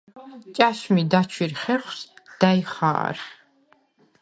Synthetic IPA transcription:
t͡ʃʼaʃmid̪at͡ʃʰwiɾχɛχwsd̪̥ajiχa̰ːɾ

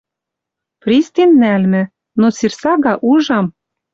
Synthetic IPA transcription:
prʲist̪inːælmɘ̆ | not͡sirsɑɣɑʔuʒɑm

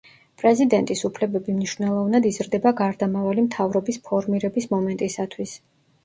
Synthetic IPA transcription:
pʼɾɛzid̪ɛnt̪ʼisupʰlɛbɛbimniʃv̥nɛlˠɔvnad̪izɾd̪ɛbaɡaɾd̪amavalimt̪ʰavɾɔbispʰɔɾmiɾɛbismɔmɛnt̪ʼisat̪ʰwis

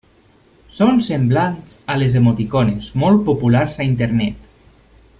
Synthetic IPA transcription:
sonsemblanzalezemot̪ikɔnezmɔlˠt̪̚populaɾzaint̪eɾnɛt̪

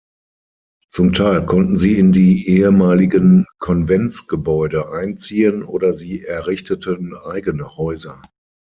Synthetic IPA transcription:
t͡sʊmtʰaɪlkʰɔntn̩ziːɪndiːʔeːəmaːlɪɡənkʰɔnvɛnt͡sɡ̥əbɔʏdəʔãɪnt͡siːənʔoːdɐziːʔɛɐʁɪçtətənʔaɪɡənəhɔʏzɐ

